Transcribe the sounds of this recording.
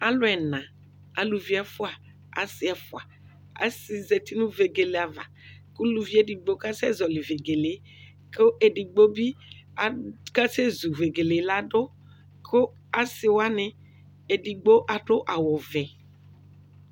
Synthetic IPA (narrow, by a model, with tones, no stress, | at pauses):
a˨˦lo˦ɛ˨nã˨ | a̰˨lu˨vi˦a˦fo˦a˨ | a̰˨si˦ɛ˨fo˦a˨ | a̰˦si˨ze˨t̪i˦nũ˦ve˨ɡe˨le˨a˨va̰˨ku˦lu˨vi˦e˦di˨ɡ͡bo˦ka˦sɛ˦zɔ˨li˨ve˨ɡe˨le˨ | ko˦ʔe˨ɖi˨ɡ͡bo˦bi˦a˨ka˦se˦zu˨ve˨ɡe˨le˨˦la˦ɖo˦ | kʰo˦ | a˦si˨wa˦nẽ˨ | e˨ɖi˨ɡ͡bo˦ʔa˨ɖo˦ʔa˨wɔ˨vɛ˨